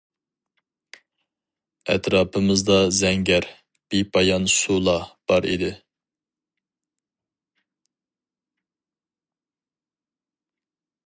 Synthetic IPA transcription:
ɛ̰t̪ʰɾɑːpʰɨmɨzd̪ɑzɛŋɡʲɛɾ | b̥ipʰɑjɑnsulˠɑb̥ɑɾḭd̪ɪ

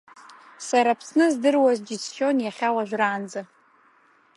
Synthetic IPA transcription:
saɾapʰsnɨzdɨrwazd͡ʒit͡sʰχʲo̞njaχʲawaʒᶣʷraːnd͡za

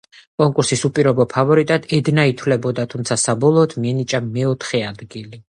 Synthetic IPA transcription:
kʼɔŋkʼuɾsisupʼiɾɔbɔpʰavɔɾit̪ʼad̪̥ɛd̪nait̪ʰwlɛbɔd̪at̪ʰumt̪sʰasabɔlˠɔːt̪ʰmiɛnit͡ʃʼamɛɔt̪ʰχɛad̪ɡili

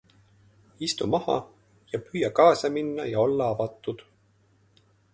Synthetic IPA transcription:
ist̪umɑhɑ̰ | jɑpyːjɑkɑːsɑminːɑjɑo̞lːɑɑvɑt̪ːˑud̪̥

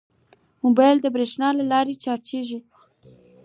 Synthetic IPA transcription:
mobɑjld̪əbɾeʃnɑlalɑɾet͡ʃɑɾt͡ʃeʒu

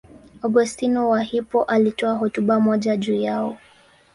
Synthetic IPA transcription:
ɔɡustinɔwahipɔʔalitɔaɦɔtuɓamɔʄaʄuːjaɔ

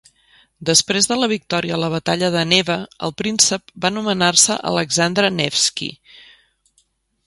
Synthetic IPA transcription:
d̪əspɾezðələβ̞ik̚t̪ɔɾiələβ̞ət̪aʎəðəneβəə̰lˠpɾinsəp̚banumənarsəʔə̰ləɡzand̪ɾənɛfskḭ

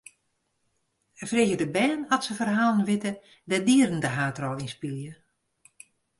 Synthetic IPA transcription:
əfreɣjədəbɛːnɔtsəfərɦaːlˠənʋɪtə | dɛdiərən̩dəɦaːtrɔlˠinspilˠjə

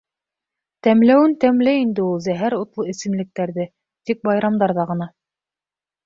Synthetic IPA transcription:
t̪æmlæwɘnt̪æmlæjind̪ɘulˠzæɦæɾut̪lˠɤɘ̆sɘ̆mlɘ̆k̚t̪æɾðɘ | t̪ik̚bɑjɾɑmd̪ɑɾðɑʁɤ̆nɑ

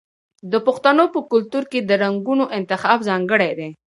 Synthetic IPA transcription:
d̪əpʊxt̪anopəkʊlt̪uɾked̪əɾaŋɡunoʔɪnt̪ɪxɑbzɑŋɡəɽejd̪e

